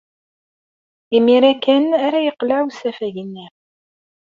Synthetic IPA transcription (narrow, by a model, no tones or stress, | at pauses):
imiɾækːænæɾæjəqlaʕusæfæʝənːi